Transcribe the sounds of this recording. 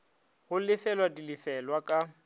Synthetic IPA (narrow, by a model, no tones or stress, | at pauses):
hʊlɪfɛlwadilɪfɛlwakʼa